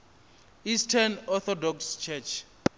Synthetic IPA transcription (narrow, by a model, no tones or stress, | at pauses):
istʰanɔθɔdɔkst͡ʃʰɛt͡ʃʰ